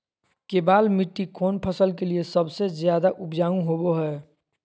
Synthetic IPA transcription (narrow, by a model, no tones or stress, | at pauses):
keːbaːlmiʈːikʰoːnpʰəsəlkeliesəbsezjaːd̪aʔʊpd͡ʒaːũɦoboɦɛː